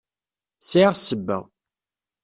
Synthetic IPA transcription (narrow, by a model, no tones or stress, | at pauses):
sʕiʁsəbːæ̰